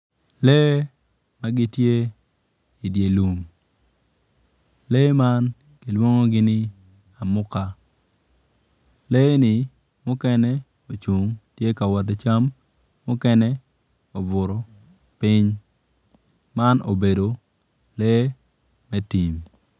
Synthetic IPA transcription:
lɛ˦ | ma˦ɡɪ˦tje˦ | i˨dje˨lu˨ŋ | lɛ˦ma˦n | ki˨lwo˦ŋo˦ɡɪ˦nɪ˦ | a˨mʊ˦ka˦ | lɛ˦nɪ˨ | mʊ˦kɛ˦nɛ˦ | o˨t͡ʃu˨ŋtje˦ka˨wɔ˨t̬e˦t͡ʃa˦mː | ʊ˦kɛ˦nɛ˦ | o˨bʊ˨ɾɔ˨ | pɪ˦ɲ | ma˦no̰˨be˨do˨ | lɛ˦ | mɛ˦ti˨m

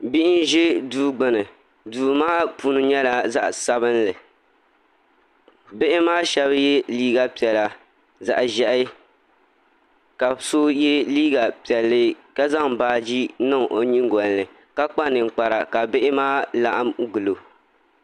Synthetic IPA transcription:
bi˦ʔɪ˦n˦ʒɪ˦duː˦ɡ͡bɨ˨nɨ˨ | duː˨maː˦pu˦nɨ˨ɲɛ˦la˨za˦ʔsa˦βɨ˦nlɨ˨ | be˦ʔɪ˦maː˦ʃɛ˦βjɛ˦liː˦ɡa˨pi˨ɛ˨la˨ | za̰˨ʔʒɛ˦ʔ | ka˨so˦jɛ˦liː˦ɡa˨pi˨ɛ˨lːɨ˦ka˦za˦ŋbaː˦d͡ʒi˦nɨ˦˨ŋʔo˨ɲi˦ŋ˦ɡɔ˨n˨lɨ˨ | ka˦k͡pa˦nɨ˨ŋ̩˨k͡pa˨ɾa̰˨ka˨bɪ˦ʔɪ˦maː˦la˦ʔa˦mɡɨ˨lo˨

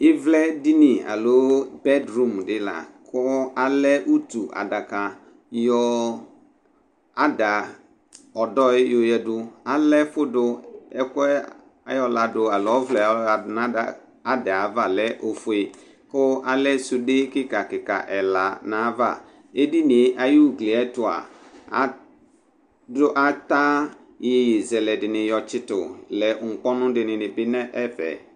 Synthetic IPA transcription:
ɪ˦vlɛ˦di˦ni˨a̰˨lo˨˦bɛ˦dɾu˦˨m˨dɪ˦la̰˨kʰʊ˦a˨lɛ˦ʔu˦tu˨ʔa̰˨da˨ka˨ | jɔ˨˦ | a˨da˨ | ɔ˨dɔ˦ɪ˦jo˨jɛ˨dʊ˨a˨lɛ˦fʊ˦dʊ˨ɛ˦kʷɛ˦ | a˨˦jɔ˨la˨dʊ˨a˨lɔ˦vlɛ˨˦˨na˦a˨ | a˨dɛ˨a˨va˦˨lɛ˦ʔo˨fʊ˨e˨ | kʊ˦a˦lɛ˦su˦dɪ˦kɪ˦ka˨kɪ˨ka̰˨ʔɛ˨la˨nã˨˦va˦˨ | e˦di˦nɪ˨˦ʔa˨ju˦˨klɪ˨ɛ˦tʊ˨a̰˨a̰˨ | dʊ˦ʔa˦ta˦ | je˨je˨zɛ˨lɛ˨dɪ˨nɪ˨jɔ˨t͡ʃɪ˦tʊ̰˨lɛ˨ŋ̩˨k͡pɔ˦nʊ̃˦dɪ˨nɪ̃˨nɪ˨bɪ˦nɛ̃˦ʔɛ˦fɛ̰˨

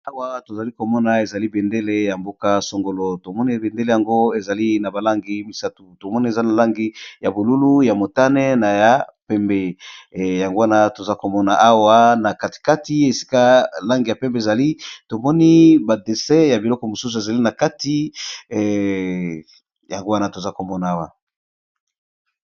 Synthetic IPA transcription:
a˦wa˦to˨za˨li˦ko˨mɔ˦na˨e˨za˨li˦be˨nde˦le˦ja˨mbo˦ka˦so˨ŋɡo˨lo˨to˨mɔ˦ni˦be˨nde˦le˨ja˨ŋɡo˦e˨za˨li˦na˨ba˨la˦ŋɡi˨˦mi˨sa˦tu˨to˨mɔ˦ni˦e˨za˦na˨la˦ŋɡi˦ja˨bo˨lu˦lu˦ja˨mo˨ta˦nɛ˦na˨ja˨˦pɛ˨mbe˨ja˨ŋɡo˦wa˦na˦to˨za˦ko˨mɔ˦na˨ʔa˦wa˦na˨ka˦ti̥˨ka˦ti˦e˨si̥˦ka˦la˦ŋɡi˨ja˨pɛ˦mbe˦e˨za˨li˦to˨mɔ˦ni˦ba˨de˨sɛ˦ja˨bi˨lɔ˦kɔ˨mo˨su˦s̬u˨e˨za˨li˦na˨ka˦ti˦ | ja˨ŋɡo˦wa˦na˦to˨za˦ko˨mɔ˦na˨a˦wa˨

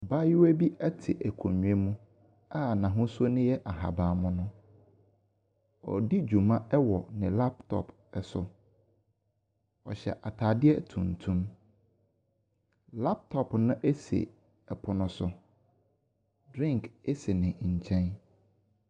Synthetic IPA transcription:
ba˦jɪ˦wæ˦bi˦ɛ˦tʰɪ̰˨ʔæ˨kʰo˨ɲũ˨e˦mũ˦ | a˦nã˨ɦʊ̃˦so˦nʊ̃˦jɛ˦ʔa˨ɦa̰˨baː˨mʊ̃˦nʊ̃˦ | ɔ̰˨di˦d͡ʑu˨mã˦ɛ˦wɔ˨nɪ̃˨la˦p̚tʰɔ̰˨p | ɛ˨sʊ˦ | ɔ̰˨ɕɛ̰˨ʔa˨tʰa˨dɪ˦ɛ˦tʰṵ̃˨n̩˨tʰũ˦m | la˦p̚tʰɔ˨pnʊ̃˦ʔe˦sḛ˨ | ɛ˨pʰʊ˨nʊ̃˦sʊ˦ | dɾɪ̃˦˨ŋke˦se˨nɪ̃˨ɲ̩˨t͡ɕʰɛ̃˦n

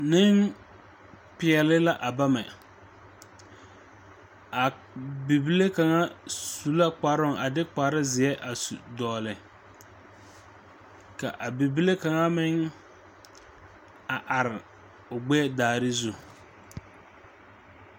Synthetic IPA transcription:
nɪ˦ŋ | pɪ˨ɛ˨lɪ˦la˦ʔa˨ba˦mɛ˨ | a˨ | bi˨bi˦le˦ka˨ŋa˦su˨la˦k͡pa˨˦ɾʊ˦ŋa˨dɪ˦k͡pa˨ɾɪ˦zɪ˨ɛ˦ʔa˨su˨dɔː˨lɪ˨ | ka˨ʔa˨bi˨bi˦le˦ka˨ŋa˦mɪ˦ŋ | a˨ʔa˨ɾɪ˨ | ʊ˨ɡ͡bɛ˦daː˨ɾɪ˦zu˦

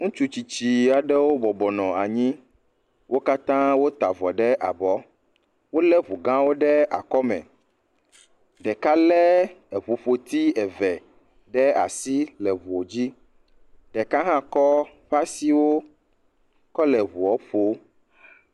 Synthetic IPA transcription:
ŋũ˦t͡ʃu˦t͡ɕi˨t͡ɕi˨a˨ɖɛ˦wo˦bɔ˨bɔ˨nɔ̃˨a˨ɲĩ˦ | wo˦ka˦t̪ã˦wo˦t̪a˨vɔ˨ɖɛ˦ʔa˨bɔ˦ | wo˦lɛ˦βu˨ɡã˦wo˦ɖɛ˦a̰˨kɔ˦mɛ̰̃˨ | ɖɛ˨ka˦lɛ˦ɛ˨βu˨ɸo˨t̪i˦ɛ˨vɛ˨ | ɖɛ˦a̰˨si˦lɛ˨βu˨o˨d͡ʑi˦ | ɖɛ˨ka˦ɦã˦kɔ˦ | ɸa˦si˦wo˦ | kɔ˦lɛ˨βu˨ɔ˦ɸo˦

